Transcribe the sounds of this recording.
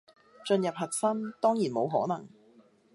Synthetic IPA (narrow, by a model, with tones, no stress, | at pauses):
t͡ʃɵ˧njɐ˨p̚hɐ˨t̚sɐ˥mt̪ɔː˥ŋjiː˨˩nmo˨˧wɦɔː˨˥nɐ̰˨˩ŋ